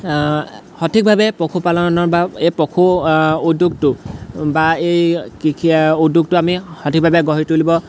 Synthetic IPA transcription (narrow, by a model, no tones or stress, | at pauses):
hɔtʰik̚bʱabɛpɔkʰupalɔnnɔɹbaejpɔkʰuudːuɡ̚tʊbaejkikʰiuduɡ̚tʊamixɔtʰik̚bʱabɛɡɔɦitulibɔ